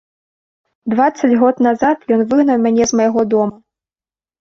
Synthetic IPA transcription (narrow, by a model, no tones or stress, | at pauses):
d̪vat̪sːɐd͡zʲɣɔt̪nazat̪jɔnvɨɣnɐwmʲanʲɛzmɐjaɣɔd̪ɔmɐ